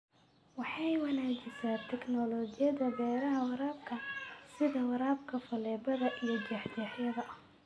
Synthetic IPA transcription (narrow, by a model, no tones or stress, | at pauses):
wɑħɑjwɐnaːd͡ʒɪsaːt̪ʰɛknɔlɔːd͡ʒɪjɐðɐbɛːɾɐɦɐwɑɾaːb̚kʰɐsɪðɐwɑɾaːbkʰɐfɐlɛːbɐðɐʔijɞd͡ʒɛːħd̪ɛːħjɐðɐʔɐh